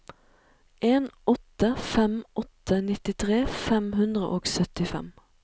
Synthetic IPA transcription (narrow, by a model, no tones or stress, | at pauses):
ʔeːnɔt̪əfɛmʔɔt̪ənɪt̪ɪt̪ʰʁeːfɛmhʉnd̪ʁə̰ʔoːɡsœt̪ɪfɛ̰m